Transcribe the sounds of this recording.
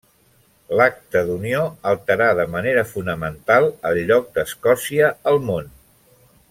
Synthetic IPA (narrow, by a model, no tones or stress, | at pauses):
lak̚t̪əðunioəlˠt̪əɾaðəməneɾəfunəmənt̪alˠəlʎːɔk̚d̪əskɔsiəːlˠmon